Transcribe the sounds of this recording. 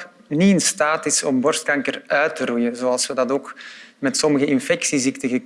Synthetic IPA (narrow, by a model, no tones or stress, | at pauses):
niɪnstaːtɪsɔ̰mbɔrstkɑŋkərœɥtəɾujənzoːɑlˠswədɑtoːkmɛtsɔməɣəʔɪnfɛksiziktəɣək